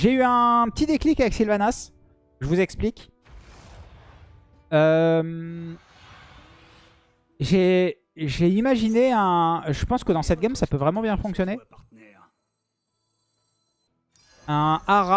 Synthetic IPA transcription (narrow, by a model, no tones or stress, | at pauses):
ʒeyɛ̃pət̪id̪eklikavɛksilvanas | ʒəvuzɛksplik | øm | ʒe | ʒeimaʒineɛ̃ʒəpɑ̃skəd̪ɑ̃sɛt̪̚ɡʲamsapøvʁɛmɑ̃bjɛ̃fɔ̃ksjɔnet̪ | ɛ | ɛ̃aʁa